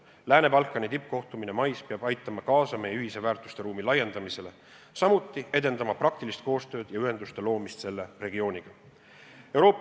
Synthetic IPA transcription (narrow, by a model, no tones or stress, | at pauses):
læːne̞pɑlkːˑɑnit̪ip̚ːˑko̞ht̪umine̞mɑjspeɑb̥ɑjt̪ːˑɑmɑkɑːsɑme̞jeyɦise̞væːrt̪ˑu̥st̪e̞ɾuːmilɑje̞nd̪̥ɑmise̞le | sɑmut̪ːˑie̞d̪e̞nd̪ɑmɑprɑk̚t̪ilist̪̚ko̞ːst̪ø̞ːd̪̥jɑyɦe̞nd̪ust̪e̞lo̞ːmist̪se̞lːe̞re̞ɡio̞ːnʲiɡ̥ɑ | e̞wɾo̞ːpː